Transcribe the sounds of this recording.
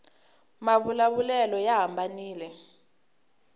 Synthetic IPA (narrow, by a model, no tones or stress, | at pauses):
maβulaβulɛlɔjaɦambʱaniːlɛ